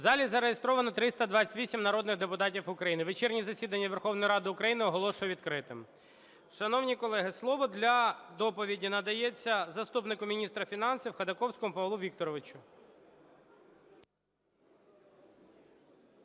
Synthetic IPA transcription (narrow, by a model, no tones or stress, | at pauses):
zɑlʲizɐɾejest̪ɾɔʋɐnɔt̪ɾɪst̪ɐd̪ʋɑt͡sʲːɐ̥tʲisʲimnɐɾɔd̪nɪɣd̪epʊt̪ɑtʲifʊkɾɐjinɪʋet͡ʃɛrnʲizɐsʲid̪ɐnʲːɐʋerxɔwnɔjɾɑd̪ɪʊkɾɐjinɪɔɦɔlˠɔʃʊjɛʋʲid̪̚kɾɪt̪ɪm | ʃɐnɔwnʲikɔlˠɛɦɪslˠɔʋɔd̪lʲɐd̪ɔpɔʋʲidʲinɐd̪ɐjet͡sʲːɐzɐst̪upnɪkʊmʲinʲist̪ɾɐfʲinɑnsʲiwxɐd̪ɐkɔwsʲkɔmʊpɐʋlˠuʋʲik̚t̪ɔɾɔʋɪt͡ʃʊ